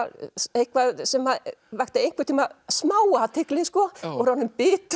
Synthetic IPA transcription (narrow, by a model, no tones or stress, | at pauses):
ejhkvasɛmaðvajxt̪aejŋ̥kvɪt̪ʰimasmaːwat̪ʰɪklɪskɔɔɣɾawnʏmpɪːt̪